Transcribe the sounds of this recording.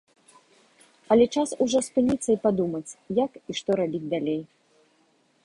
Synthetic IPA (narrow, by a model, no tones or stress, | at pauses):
ɐlʲɛt͡ʂasuʐɔspɨnʲit̪sːɐipad̪umɐt͡sʲjakiʂt̪ɔɾabʲid͡zʲd̪alʲej